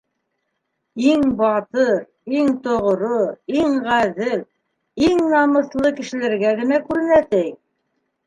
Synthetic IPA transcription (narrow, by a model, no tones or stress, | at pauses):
iŋbɑt̪ɤɾ | iŋt̪ŏʁɾoiŋʁæðɘl | iŋnɑmɤ̆θlˠɤkɘ̆ʃɘ̆læɾɡæɡɘ̆nækʉɾɘ̆næsæk̚